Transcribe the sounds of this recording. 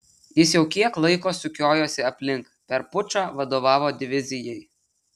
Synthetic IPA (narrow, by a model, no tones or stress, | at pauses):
jɪsjɛʊkʲiɛklˠɐɪkoːsʊkʲoːjoːsʲɪɐpʲlʲɪŋk | pʲɛɾpʊt͡ʃaːʋɐd̪oːʋɑːʋoːd̪ʲɪʋʲɪzʲɪjɛj